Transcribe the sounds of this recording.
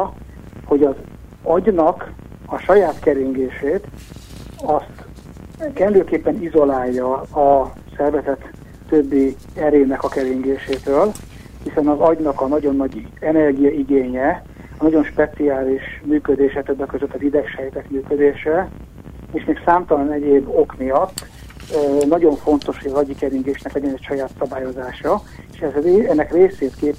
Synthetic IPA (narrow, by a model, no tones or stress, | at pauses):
ho̞ɟɒz | ɒɟnɒk | ɒʃɒjaːt̪kɛɾiŋɡeːʃeːt̪ | ɒst̪ | kɛnd̪øːkeːpːɛnizo̞laːjːɒː | sɛrvɛzɛt̪ː | øbːi | ɛɾeːnɛkɒkɛɾiŋɡeːʃeːt̪øːl | hisɛnɒzɒɟnɒkɒnɒɟo̞nːɒɟɛnɛrɡijɒiɡeːɲɛ | ɒnɒɟo̞nʃpɛt̪siaːliʃmyːkød̪eːʃɛt̪øbːɛkːøzøt̪ːɒvid̪ɛkʃɛjt̪ɛkmyːkø̞d̪eːʃɛ | eːʃmeːksaːmt̪ɒlɒnɛɟeːbːo̞kmijɒt̪ː | nɒɟo̞ɱfo̞n̪t̪o̞ʃɒzɒɟikɛɾiŋɡeːʃnɛklɛɟɛnɛcʃɒjaːt̪sɒbaːjo̞zaːʃɒ | eʃɛzɛnːɛkreːseːt̪keːp